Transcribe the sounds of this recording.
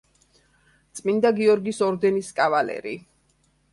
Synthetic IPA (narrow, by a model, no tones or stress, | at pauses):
t̪sʼmind̪aɡiɔɾɡisɔɾd̪ɛniskʼavalɛ̰ɾi